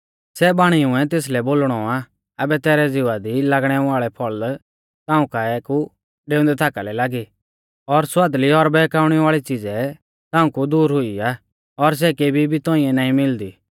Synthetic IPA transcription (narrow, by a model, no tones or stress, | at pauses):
sɛbaːɽ̃iʊ̃ɛ̃t̪̬eːs̬lɛboːlɽ̃ɔa | ɐbɛt̪ɛːɾɛd͡zɪʋad̪ilaɡɽ̃ɛʋaːɭɛpʰɔɭ | t̪ãːũkaɛku | ɖeːʊ̃nd̪ɛt̪ʰaːkalɛlaːɡi | ɔɾswaːd̪liɔɾbɛːkaːʊɽ̃ɛʋaːɭit͡sɪd͡zɛ | t̪ãːũkud̪uːɾɦʊiaː | ɔɾs̬ɛkeːbʱibʱit̪ɔ̃ːɪ̃ːɛnaːĩmɪld̪iː